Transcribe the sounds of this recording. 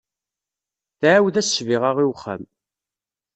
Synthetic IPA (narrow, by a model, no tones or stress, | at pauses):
θʕawðæsʃviʁaʁiwχːæ̰m